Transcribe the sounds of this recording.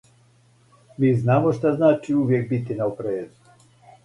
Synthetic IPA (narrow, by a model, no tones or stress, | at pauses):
miːznaːmoʃt̪aznaːt͡ʃiuʋjek̚bit̪inaopɾeːzu̥